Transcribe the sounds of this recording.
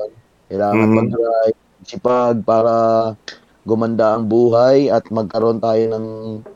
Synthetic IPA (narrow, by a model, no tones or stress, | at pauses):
n | kɐjlaːŋɐnmɐɡɾaj | ɐɡ̚sɪpaɡ̚paːɾɐ | ɡʊmɐnd̪aʔɐŋbuːɦajɐt̪̚mɐɡ̚kɐɾo̞nt̪aːjo̞nɐŋ